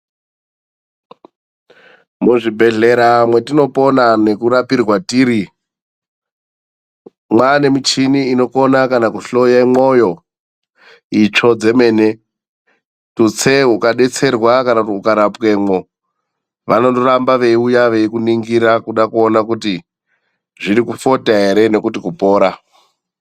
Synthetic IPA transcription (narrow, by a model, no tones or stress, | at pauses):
muʐibʱe̞ɮe̞ɾamwe̞tino̞po̞nane̞kuɾapirwatiːɾi | mwane̞mit͡ʃiniːno̞konakanakuɬo̞jemojo̞ | it͡ʂo̞d͡ze̞me̞ːne̞ | tut͡seɦukaɗe̞t͡se̞rwakanakutiukaɾapke̞mo̞ | ʋano̞ndoɾambaʋe̞iujaʋe̞ikuniŋɡiɾakuɗakuonakuti | ʐiɾikufo̞taɦe̞ɾe̞ne̞kutikupo̞ːɾa